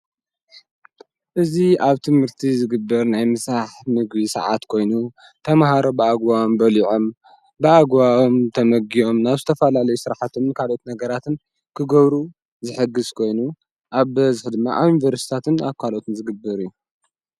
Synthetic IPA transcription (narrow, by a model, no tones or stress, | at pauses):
ʔɨziaβt̪ʰɨmhɨɾt̪ʰizɨɡɨbːɐɾnajmɨsɾaħmɨɡbisɐ̰ʕa̰t̪kʰo̞jnu | t̪ʰɐmhaɾobɨaɡwawombɐliʕo̞m | bɨaɡwawomt̪ʰɐmɐɡijo̞mnaβzɨt̪ʰɐfɐlalɐjusɨɾħat̪ʰomnkʰalʔo̞t̪nɐɡɐɾat̪ʰɨn | kʰɨɡɐβɾu | zɨħɨɡːɨzkʰo̞jnu | ʔaβbɐzɨħd̪ɨmːa̰ʔaβjunivɐɾsi̥t̪ʰat̪ɨnaβkʰalot̪ɨnzɨɡɨbːɐɾɨjːu